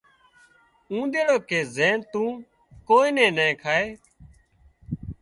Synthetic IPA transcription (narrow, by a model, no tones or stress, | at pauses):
ũːd̪eːɽoːkeːzeːnt̪ũː | koːiːnẽːnẽːkʰaːeː